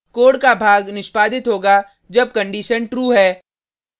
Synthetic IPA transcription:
koːɽkabʱaːɡnɪʃpaːd̪ɪt̪ɦoːɡa | d͡ʒɐb̚kɐ̃ɳɖiːʃənʈɾuːɦɛː

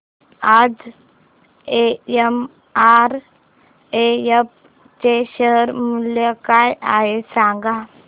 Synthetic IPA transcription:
aːd͡ʒ | eem | aːɾ | ejep̚ | t͡ʃeʃəɦəɾmʊljəkaːjʔaːesãːŋɡaː

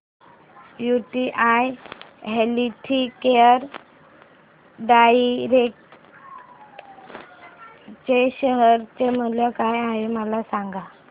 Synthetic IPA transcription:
juʈiʔaj | ɦeliʈʰikeəɾ | ɖaiɾek̚ʈ | t͡ɕeɕəɦəɾt͡ɕem̤əljəkajaʋiməlasaŋɡa

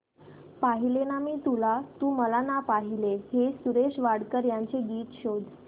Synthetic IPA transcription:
paɦilenamiːt̪ulat̪uːməlanapaɦileɦesuɾeɕʋaɽkəɾjaɲt͡seɡiːt̪ɕod̪ʱ

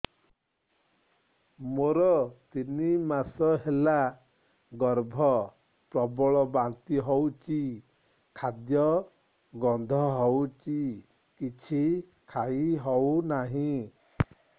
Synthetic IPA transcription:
moɾɔt̪inimasɔɦela | ɡɔɾbʱɔ | pɾɔbɔɭɔbant̪iɦɔwt͡ʃi | kʰad̪jɔ | ɡɔnd̪ʱɔɦɔwt͡ʃi | kit͡ʃʰi | kʰaiɦɔwnaɦĩ

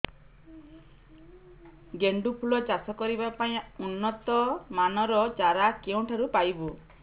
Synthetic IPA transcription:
ɡeɳɖupʰulɔt͡ʃasɔkɔɾibapaĩunːɔt̪ɔmanɔɾɔt͡ʃaɾakeũʈʰaɾupajbu

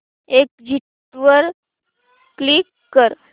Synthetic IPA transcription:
ek̚d͡ʑʱiʈ | ʋəɾ | klikːəɾ

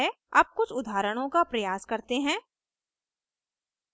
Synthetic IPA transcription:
e | a̰ːp̚kʊt͡ʃʰʊd̪ʱaːɾəɽ̃õkapɾɐjaːskɐɾt̪eɦɛ̃ː

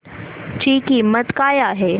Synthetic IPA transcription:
t͡ɕiːkiːmət̪kaːjaːɦe

